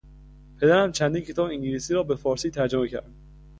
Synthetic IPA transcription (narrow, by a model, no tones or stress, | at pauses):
pʰe̞d̪æɾæmt͡ʃʰænd̪iːncʰe̞t̪ɒːbeiŋɟiliːsiːɾɒːbe̞fɒːɾsiːt̪ʰæɾd͡ʒomecʰæ̰ɾd̪̥